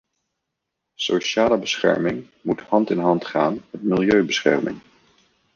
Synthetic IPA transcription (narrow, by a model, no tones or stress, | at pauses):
soʃaːləbəsχɛ̰ɹmɪŋ | muthɑntɪnɦɑntχaːnmɛtmɪlˠjøɥbəsχɛ̰ɹmɪ̰ŋ